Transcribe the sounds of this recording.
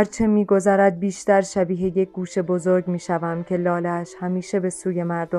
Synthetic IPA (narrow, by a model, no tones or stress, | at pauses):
ɾt͡ʃʰe̞miːɡo̞zæɾæd̪̚biːʃt̪æɾʃæbiːɦeje̞c̚ʰʲɡuːʃe̞bozoɾɡmiːʃævæmcʲʰe̞lɒːlæʃhæmiːʃe̞be̞suːje̞mæɾd̪o